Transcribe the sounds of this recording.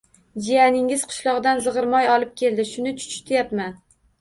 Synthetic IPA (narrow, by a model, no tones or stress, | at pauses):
d͡ʒijanɪŋɪz̥qʰʊ̥ʃlˠɒʁd̪anzɨʁɨɾmɒjɒlˠɪp̚kʲʰe̞ld̪ɪʃʊnɪt͡ʃʰʊ̥t͡ʃʰɪ̥t̪ʰɪjapman